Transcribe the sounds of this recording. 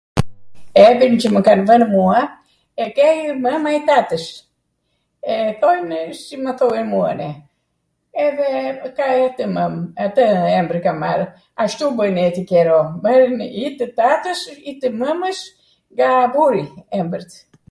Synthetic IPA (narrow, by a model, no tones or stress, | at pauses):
ɛbint͡ʃəməkanvənmua | ɛkɛjɾməmait̪at̪əʃ | ɛθɔjnəsiməθɔinmua̰nɛ | ɛðɛəkat̪əməmat̪əɛmbɾikama̰ɾ | aʃt̪ubəjnɛt̪ikɛɾɔbəɾnit̪ət̪at̪əʃit̪əməməʃ | ŋɡabuɾiɛmbəɾt̪